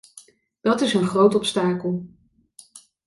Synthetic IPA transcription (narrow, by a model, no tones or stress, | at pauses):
d̥ɑtɪsənχrowtɔpstaːkəlˠ